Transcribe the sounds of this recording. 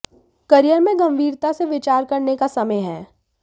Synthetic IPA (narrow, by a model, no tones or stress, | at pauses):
kɐɾijəɾmẽɡɐ̃mbʱiːɾt̪aseʋɪt͡ʃaːɾkɐɾnekasɐməjɦɛː